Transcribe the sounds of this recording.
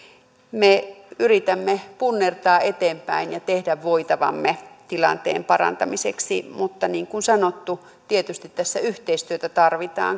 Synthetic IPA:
meyrit̪æmːepunːert̪ɑːʔet̪eːmpæinjɑt̪ehdæʋʋoit̪ɑʋɑ̰mːet̪ilɑ̰nt̪ḛːmpɑrɑ̰nt̪ɑmiseksimut̪ːɑniːŋkunsɑnot̪ːu | t̪iet̪yst̪it̪tæsːæyht̪eist̪yøt̪æt̪ɑrʋit̪ɑ̰ːŋ

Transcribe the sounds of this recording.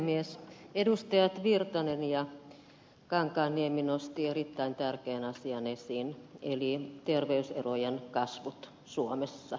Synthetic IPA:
miesedust̪ɑjɑt̪ʋirt̪ɑnenjɑ | kɑŋkɑːnːieminost̪ierit̪ːæint̪ærkeːnɑsiɑnesinḛlit̪erʋeysḛrojenkɑsʋut̪ | suomesːɑ

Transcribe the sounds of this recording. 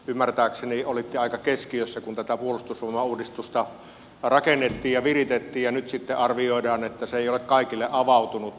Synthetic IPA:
ymːært̪æːkseniolit̪ːeɑˑikɑkeskiøsːækunt̪æt̪æpuolust̪uslumɑuːdist̪ust̪ɑ | rɑkenːet̪ːiːjjɑʋirit̪et̪ːiːjjɑnyt̪sit̪ːeʔɑrʋioˑedɑːnet̪ːæseeˑijolekkɑˑikilːeʔʔɑʋɑˑut̪unut̪

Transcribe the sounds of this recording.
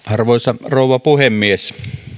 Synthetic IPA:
ʔɑrʋoˑesɑroˑuwˑɑpuhemːies

